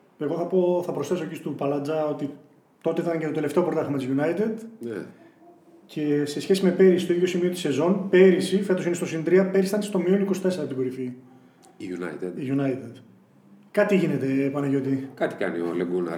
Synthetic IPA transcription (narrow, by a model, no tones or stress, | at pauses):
e̞ɣo̞θɐpo̞θɐpɾosθe̞socist̪upɐlɐd͡zɐo̞t̪i | t̪o̞t̪eɐncet̪ot̪eleft̪eopoɾt̪ɐxɐmɐt̪izʝunɐjt̪ed̪nḛ | cʰe̞se̞sçe̞sime̞pe̞ɾisist̪oiðʝjo̞simio̞t̪i̥se̞zo̞npe̞ɾisife̞t̪osinest̪o̞sinid̪ɾiɐpe̞ɾisɐnst̪o̞miolikosi̥t̪e̞seɾɐt̪uɡo̞ɾifi | ʝunɐ̰t̪ed̪iʝunɐjt̪ed̪ | kɐt̪iʝine̞t̪e̞pɐnɐʝo̞t̪ikɐt̪i̥kɐ̰nḭo̰leɡunɐ̰